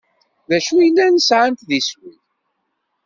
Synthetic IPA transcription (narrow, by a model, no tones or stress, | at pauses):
ðæʃujəlːænəsʕənt̪ðiswið